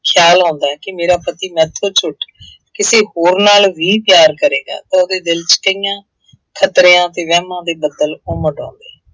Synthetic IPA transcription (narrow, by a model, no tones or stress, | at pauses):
kʰjaːlãːnd̪aːɦɛːkɪmeːɾaːpət̪iːmɛ̃ːt̪ʰːoːt͡ʃʰʊʈ | kɪseːɦoːɾnaːlʋiːpjaːɾkəɾeːɡa̰ːt̪ãːoːd̪eːd̪ɪlt͡ʃkəijãː | kʰət̪ɾeːãːt̪eːʋɛːmãːd̪eːbəd̪əloːməɖɔ̰̃ːnd̪eː